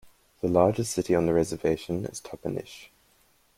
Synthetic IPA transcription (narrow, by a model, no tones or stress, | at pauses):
ðəlɑːd͡ʒɪstsɪtiə̃nðəɹɛzəveɪʃə̃nɪ̰z̥tʰʌpənɪ̰ʃ